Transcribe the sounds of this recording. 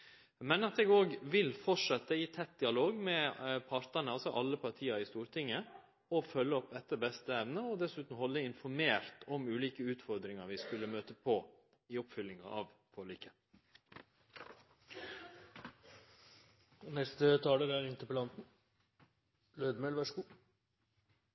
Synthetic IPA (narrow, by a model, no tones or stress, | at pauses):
mɛnɑt̪ɛːɡoːɡʋɪlfɔʈʂɑt̪ːəit̪ʰɛt̪̚ːd̪ɪɑloːɡmɛpʰɑɾt̪ənəɑlsɔʔɑlːəpʰɑɾʈ̪ʰiːɑɾɪst̪uːɾt̪ʰɪŋːə | ɔfœlːəɔpɛt̪ːəɾbɛst̪əɛʋnəɔd̪ɛsʉːt̪n̩hɔlːəɪnfɔɾmeːɾt̪ʰɔmʉːliːkəʉːt̪fɔɾd̪ɾɪŋɑɾʋɪskʉlːəmøːt̪əpʰɔ | ɪɔpfʏlːɪŋɑ̰ɑʋ | fʰɔːɭiːkə | nɛst̪ət̪ʰɑːləɾæɾɪnt̪əpəlɑnt̪n̩ | løːd̪mɛlʋæʂkuː